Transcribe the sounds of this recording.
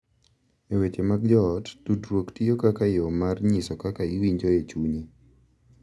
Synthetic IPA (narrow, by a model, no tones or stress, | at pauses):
ewetemaɡ̚d͡ʒɔtdudɾwoktiokakajɔmarɲisɔkakaiwiɲd͡ʒoet͡ʃuɲi